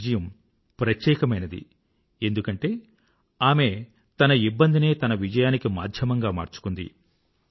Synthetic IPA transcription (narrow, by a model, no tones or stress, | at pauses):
d͡ʒɐjɐm | pɾɐt̪jɛːkɐmɐjnɐd̪ḭ | e̞nd̪ukɐɳʈe̞ː | aːme̞ | t̪ɐnɐibːɐnd̪ine̞ːt̪ɐnɐʋid͡ʒɐjaːnikima̰ːd̪ʱjɐmɐŋɡaːma̰ːɾt͡ʃu̥kund̪ḭ